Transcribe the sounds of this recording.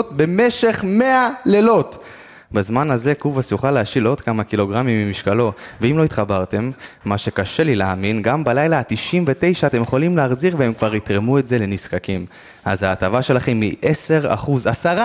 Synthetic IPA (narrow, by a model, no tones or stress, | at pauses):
tbe̞meʃe̞χme̞alelo̞t | bazmanaze̞kuvasjuχaleaʃilo̞d̪kamakilo̞ɡʁamimːimiʃkalo̞veimlo̞it̪χabaʁt̪e̞mːaʃe̞kaʃe̞lilaaːminɡambalajlat̪iʃimve̞te̞jʃaːt̪emjeχo̞limleaχziʁveemkvaʁit̪ʁemuetze̞le̞niskakim | a̰zaːtavaʃe̞laχe̞mːiʔe̞se̞ʁa̰χuzasaʁa